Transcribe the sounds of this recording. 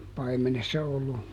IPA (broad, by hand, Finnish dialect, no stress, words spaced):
pɑimenesːɑ olːu